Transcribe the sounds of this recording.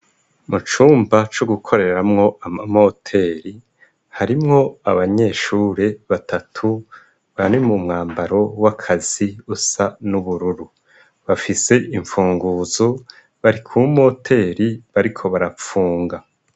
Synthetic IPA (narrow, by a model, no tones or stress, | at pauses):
mut͡ʃuːmbat͡ʃoɡukʰo̞ɾe̞ɾamŋo̞ʔamamo̞tʰe̞ːɾi | haɾimŋo̞aβaɲe̞ːʃuːɾe̞βatatʰu | βanimumŋaːmbaɾo̞wakʰaz̥iusanuβuɾuɾu | βafise̞ʔiɱfuːŋɡuːzo | βaɾikʰumo̞tʰe̞ːɾiβaɾikʰo̞βaɾap͡fuːŋɡa